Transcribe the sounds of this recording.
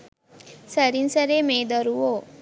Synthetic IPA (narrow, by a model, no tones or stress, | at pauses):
səɾinsəɾemẽd̪əɾuʋo